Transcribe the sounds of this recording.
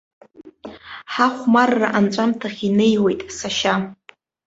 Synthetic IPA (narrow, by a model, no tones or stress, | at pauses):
ħaχʷmarːaʔant͡ʃʷʼamtʰaχʲinejwejtʼsaʃa